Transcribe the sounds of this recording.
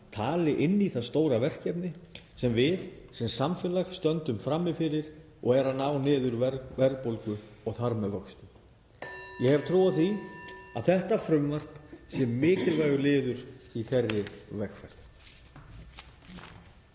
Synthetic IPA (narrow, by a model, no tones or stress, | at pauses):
t̪ʰaːlɪʔɪnːiθast̪oːwɾavɛr̥cɛpnɪsɛmvɪðsɛmsamfɪːlaxst̪œnt̪ʏmfɾamːɪfɪɾɪɾ̥ | ɔɣɛɾanaːwnɪːðʏɾvɾvɛɾpowlkʏɔɣθaɾmɛvœkst̪ʏ | jɛhɛv̥t̪ʰɾuːwaθiaðθɛht̪afɾʏmvar̥psɛmːɪːcɪlvaːjɣʏlɪːðʏɾ̥iθɛrːɪvɛxfɛɾð